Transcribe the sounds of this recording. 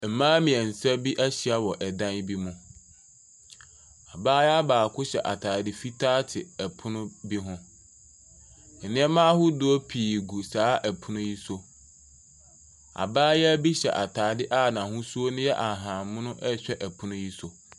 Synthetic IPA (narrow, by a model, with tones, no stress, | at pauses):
m̩˨mãː˦mĩ˨ɛ˨n̩˨sa˦bi˦ʔæ˦ɕi˨a˨wɔ˨ʔɛ˨dã˦n˦bi˦mʊ̃˨ | a˨baː˦jɛ˦a˦baː˨kʰʊ˦ɕɛ̰˨ʔa˨tʰaː˨dɪ˦fi˦tʰaː˦tʰɪ˨ɛ˨pʰʊ˦nʊ̃˦bi˦ɦʊ̃˦ | n̩˨nɪ̃˦ɛ˦mãː˦hʊ˦dʊ˨˦ɔ˦pʰiː˨ɡu˨saː˨˦ʔæ˨pʰʊ˦nʊ̃˦ji˦so˦ | a̰˨baː˦jɛ˦æ˦bi˦ɕɛ̰˨ʔa˨tʰaː˨˦dɪ˦ʔa˦˨nã˨hʊ̃˦su˦o˦nʊ̃˦jɛ˦ʔa˨ɦãː˨mʊ̃˦nʊ̃˦ʔɛ˦ɕᶣɛ˦ʔæ˨pʰʊ̃˦nʊ̃˦ji˦so˨